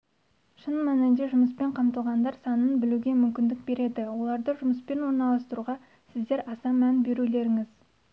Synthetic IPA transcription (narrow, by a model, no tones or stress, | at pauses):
ʃənmænɪnd̪eʒʊməspe̞ɴqʰɑmt̪əlˠʁɑnd̪ɑɾsɑnənbɪluɡʲe̞mʏmkʲɪnd̪ɪk̚be̞ɾe̞d̪ɪwo̞lˠɑɾd̪əʒʊməspe̞nwoɾnɑlˠɑst̪əɾuʁɑ | sɪzd̪eɾɑsɑmænbe̞ɾule̞ɾɪŋɪz